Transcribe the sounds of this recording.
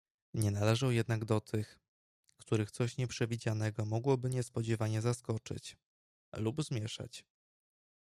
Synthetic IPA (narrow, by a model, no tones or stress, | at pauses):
ɲɛnalɛʐawjɛd̪naɡd̪ɔt̪ʰɘx | kt̪uɾɘxt̪sɔɕɲɛpʂɛvʲid͡ʑanɛɡɔmɔɡwɔbɘɲɛspɔd͡ʑɛvaɲɛzaskɔt͡ʂɘ̰t͡ɕ | lubzmʲjɛʂa̰t͡ɕ